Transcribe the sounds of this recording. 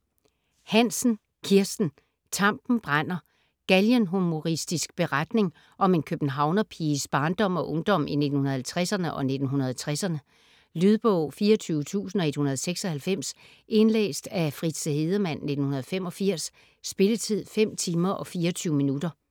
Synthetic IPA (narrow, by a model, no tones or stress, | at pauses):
hæn̰sn̩ | kʰiɐsd̥n̩ | t͡sʰɑ̈m̰b̥n̩b̥ʁan̰ɐ | ɡ̥æljənɦumo̝ʁisd̥isɡ̥̚b̥e̝ʁad̥ne̝ŋ | ʔɒ̽me̝nkʰøb̥n̩ɦɑ̈ʊnɐpʰiːsb̥ɑ̈ːnd̥ɒ̽m̰ɒ̽ʔɔ̽ŋd̥ɒ̽m̰ʔine̝d̥n̩hunɐhælt͡sʰʁɛsɐnəʔɒ̽ne̝d̥n̩ɦunɐðˠt͡sʰʁasɐnə | lyð̞ˠb̥ɔʊ̰fiːɐt͡sʰyːʊət͡sʰṵːsn̩ɒ̽e̝d̥hunɐðˠseɡ̥sɒ̽hælfem̰s | ʔe̝nlḛːsd̥æfʁid̥səhe̝ð̞ˠɐmæn̰ːe̝d̥n̩hunɐð̞ˠfem̰ɒ̽fiɐ̰sː | b̥e̝lət͡sʰið̞̰ˠfem̰t͡sʰiːmɐʔɒ̽fiːɐɒt͡sʰyːʊəminudɐ